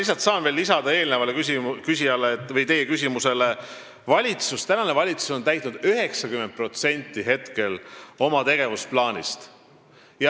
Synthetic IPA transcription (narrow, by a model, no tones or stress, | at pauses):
lis̬ɑt̪sɑːnve̞ːlːisɑd̪̥ɑe̞ːlnevɑlekysikys̬ʲijɑleːt̪ːˑvɤjt̪e̞jekys̬ʲimuse̞le̞ | vɑlʲit̪sust̪ænɑne̞vɑlʲit̪su̥so̞nt̪æjt̪ːˑnud̪̥yɦe̞ksɑkymen̚pro̞t̪se̞nʲt̪ːˑiɦe̞t̪ke̞lo̞mɑt̪e̞ɡ̥e̞vusplɑːnʲḭst̪ | jɑ